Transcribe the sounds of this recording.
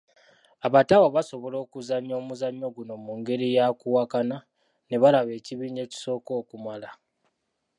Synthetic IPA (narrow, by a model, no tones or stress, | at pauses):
aβatawaβaso̞βolo̞ːkuzaɲːo̞ːmuzaɲːo̞ɡuno̞muŋɡe̞ɾijakuwakana | ne̞βalaβe̞ːciβiːɲd͡ʒe̞ːci̥so̞ːko̞ːkumala